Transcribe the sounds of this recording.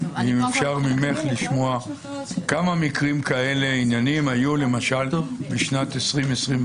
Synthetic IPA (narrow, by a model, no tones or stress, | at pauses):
imefʃaʁmimeχliʃmoa | kamamikʁimkae̞le̞injanimhajule̞maʃalbeʃnat̪esʁimesʁim